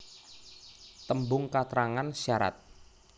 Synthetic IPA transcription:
t̪əmbʊŋkat̪ɾaŋansaɾa̰t̪̚

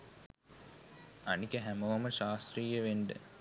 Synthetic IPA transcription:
anikəɦæmoʋaməʃaːst̪riːjəʋeɳɖə̰

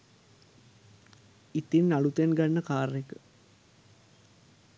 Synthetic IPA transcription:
it̪inːalut̪enɡanːəkaːɾekə

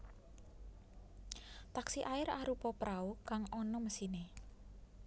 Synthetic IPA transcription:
t̪aksiʔaɪɾaɾupɔpɾʔaukaŋɔnɔməsine

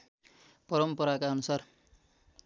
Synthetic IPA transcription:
pʌɾʌmpʌɾakaʌnusar

